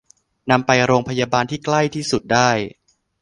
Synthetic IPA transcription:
na˧mpa˧jɾoː˧ŋpʰa˧jaː˧baː˧nt̪ʰiː˥˩kla˥˩jt̪ʰiː˥˩su˨˩t̪̚daː˥˩j

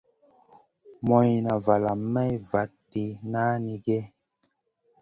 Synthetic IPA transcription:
mɔ˨jna˨va˨la˨mːɛ˦jva˨˦tːi˨na˦ni˨ɡɛ˦

